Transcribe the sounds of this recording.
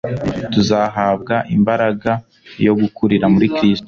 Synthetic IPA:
tuzaɦab̚ɡaʔimbaɾaɡa | jo̞ɡukuɾiɾamuɾikɾisto̥

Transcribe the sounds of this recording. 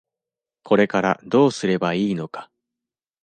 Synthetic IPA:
ko̞ɾe̞kaɾad̪o̞ːsɨɾe̞baiːno̞kḁ

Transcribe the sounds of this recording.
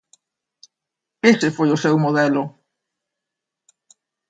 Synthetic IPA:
esefojʊsɛwmoð̞ɛlʊ

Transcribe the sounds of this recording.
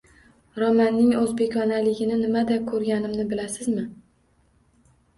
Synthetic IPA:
ɾɒmanːɪŋɵzbe̞kʲɒnalɪɡʲɪnɪnɪmad̪akʰɵɾɡʲanɪmnɪbɪlasɪzmɪ

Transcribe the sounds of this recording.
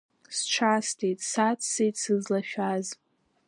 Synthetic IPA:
sʈ͡ʂʰastʰejtʼsat͡sʰsejtʼsɨzlaʃᶣaz

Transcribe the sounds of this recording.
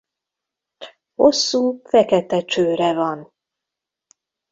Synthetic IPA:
ho̞sːuːfɛkɛt̪ɛt͡ʃøːɾɛvɒn

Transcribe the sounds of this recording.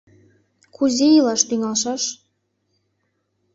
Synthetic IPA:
kʰuzʲejilɑʃt̪yŋɑlʃɑʃ

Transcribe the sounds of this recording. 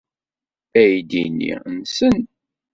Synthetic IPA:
æjd̪inːḭnsən

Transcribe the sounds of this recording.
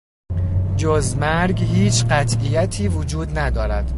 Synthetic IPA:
d͡ʒozmæɾɡhiːt͡ʃʰɢæt̪ʰijæt̪ʰiːvod͡ʒuːd̪næd̪ɒːɾæd̪̥

